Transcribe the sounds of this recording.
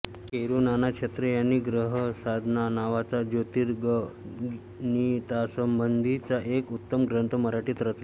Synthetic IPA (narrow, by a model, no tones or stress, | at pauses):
kkeɾunanakɕʰet̪ɾəjanːiːɡɾəɦəsad̪ʱnanaʋat͡sad͡ʑot̪iɾɡə | nit̪asəmbənd̪ʱit͡saʔekut̪ːəmɡɾənt̪ʰəməɾaʈiːt̪ɾət̪le